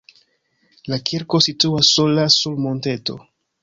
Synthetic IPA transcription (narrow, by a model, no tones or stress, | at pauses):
lakʰiɾko̞situasːolassuɾmo̞nte̞to̞̰